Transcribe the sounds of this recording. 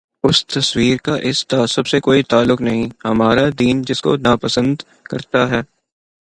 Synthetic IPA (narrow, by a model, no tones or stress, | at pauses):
ʊst̪ɐswiːɾkaʔɪst̪aːsʊbsekoːit̪aːlːʊknɐɦĩhɐmaːɾad̪iːnd͡ʒɪsko̰naːpɐsə̃nd̪ | kɐɾt̪aɦɛː